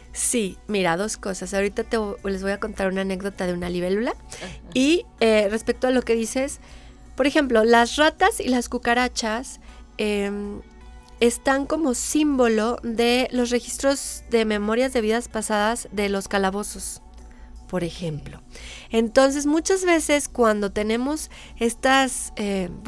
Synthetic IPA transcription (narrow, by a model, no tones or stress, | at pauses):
simiɾað̞o̞sko̞sasawoɾit̪at̪eβole̞zβo̞jako̞nt̪aɾunaːne̞kðo̞t̪aðeunaliβe̞lulai | ere̞spe̞k̚t̪oalo̞ke̞ðise̞s | po̞ɾexe̞mplo̞lasrat̪asilaskukaɾat͡ʃasem | est̪aŋko̞mo̞simbo̞lo̞ðe̞lo̞s̬re̞xist̪ɾo̞zðe̞me̞mo̞ɾjazðe̞β̞iðaspasaðazðe̞lo̞skalaβo̞so̞s | po̞ɾe̞xe̞mplo̞e̞nt̪o̞ns̬e̞zmut͡ʃazβe̞se̞skwand̪o̞t̪e̞nẽ̞mo̞s | e̞st̪ase